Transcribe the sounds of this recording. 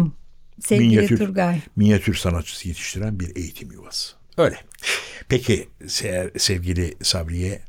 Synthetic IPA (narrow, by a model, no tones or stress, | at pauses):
sɛminjjayɾɾɡajminjat̪ʰyɾsanat̪̚t͡ʃʰːɯ̥sɯjet̪ʰi̥ʃt̪ʰiɾænbiɾe̞jit̪ʰimjovasɯ̥ | øːjlʲɛ | pʰecʰisɛsɛvɟilʲisabɾijɛ